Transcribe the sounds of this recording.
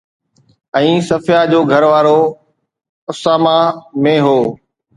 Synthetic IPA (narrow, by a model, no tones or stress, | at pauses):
ɛ̃ːsɐfjad͡ʑoːɡʱəɾʋaːɾoː | ʊsaːmamẽɦoː